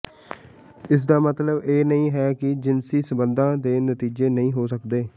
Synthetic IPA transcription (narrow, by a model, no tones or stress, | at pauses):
ɪs̬d̪aːmət̪ləbeːnəĩːɦɛːkɪd͡ʒɪnsiːsəbənd̪ãːd̪eːnət̪iːd͡ʒeːnəĩːɦoːsəkd̪eː